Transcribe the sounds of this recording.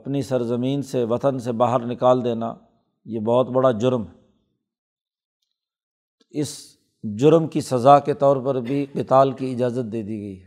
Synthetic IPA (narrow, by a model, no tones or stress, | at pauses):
ɐpnisɐɾzəmiːnseʋɐt̪ənsebaːɦəɾnɪkaːld̪eːna̰ | jeːbɔːt̪bɐɽad͡ʒʊɾmɦɛ | t̪oɪs | d͡ʒʊɾmkisɐzaket̪ɔːɾpɐɾbʱiqɪt̪aːlkiɪd͡ʒaːzət̪̚d̪eːd̪iɡɐiɦɛː